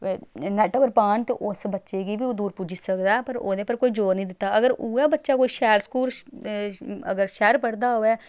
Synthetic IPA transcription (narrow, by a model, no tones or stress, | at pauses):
nɛːʈəbəɾpaːnt̪eːʔʊsbətːʃeːɡiːbiːoːd̪uːɾpud͡ʒisəkd̪aːpəɾo̰ːd̪eːpəɾkoːiːd͡ʒoːɾnəĩːd̪ɪt̪ːaːʔəɡəɾuːaːbətːʃaːkoːiːʃɛːlskuːl | ə̰ɡəɾʃɛːɾpəɽd̪aːɦoːɛː